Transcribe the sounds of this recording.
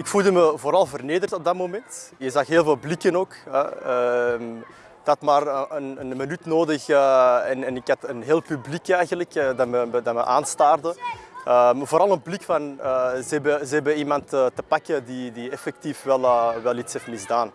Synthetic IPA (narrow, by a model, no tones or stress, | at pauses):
ɪkfulˠdəməvoːɾɑlˠvərneːdərtɔb̚dɑtmomɛntjəzaxɦeːlˠveːlˠblikənoːkɛ̰əm | d̥ɑtmaːrənənmənytnoːdəxəɛnɛnɪkɦɑtənɦeːlˠpyblikɛjɣənləkːdɑtməmədɑmə̰ʔaːnstaːrdəəmvoːɾɑlˠənblikfɑnəzəɛbəzəɛbəimɑntətːəpakədidiɛfɛk̚tifʋɛlˠəʋɛlˠitsɛfəlizdaːn